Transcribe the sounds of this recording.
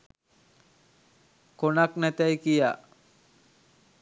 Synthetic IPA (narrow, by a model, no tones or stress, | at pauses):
konaknæt̪æjkija